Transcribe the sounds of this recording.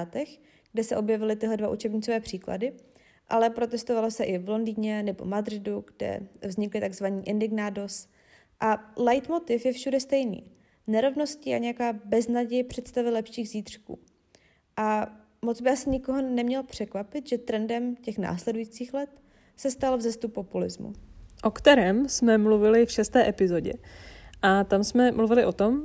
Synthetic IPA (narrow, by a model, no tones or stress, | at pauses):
at̪ɛx | ɡ̥dɛsɛʔo̞bjɛvɪlɪt̪ɪɦlɛdvaʔut͡ʃɛbɲɪt͡sovɛːpr̝̥iːkla̰dɪ | ʔa̰lɛpɾo̞t̪ɛst̪ovalosɛʔɪvlo̞ndiːɲɛnɛbo̞̰mad̪ɾɪduɡdɛ̰vzɲɪklɪt̪aɡzvaɲiːʔɪndɪɡnaːdos | ʔalajt̪mo̞t̪ɪfjɛfʃudɛst̪ɛjnḭː | nɛɾo̞vno̞scɪʔaɲɛjakaːbɛznaɟɛjpr̝̥ɛt̪st̪avɪlɛpʃiːɣziːt̪r̝̥kṵː | ʔa | mod͡zbɪʔasɪɲɪkoɦonɛmɲɛlpr̝̥ɛkvapɪt̪ʒɛt̪ɾɛndɛmcɛxna̰ːslɛdujiːt͡siːxlɛt̪ | sɛst̪alvzɛst̪upo̞pulɪ̰zmṵʔokt̪ɛɾɛːmsmɛmluvɪlɪfʃɛst̪ɛːʔɛpɪzo̞ɟɛ̰ʔat̪amsmɛmluvɪlɪʔo̞t̪o̞m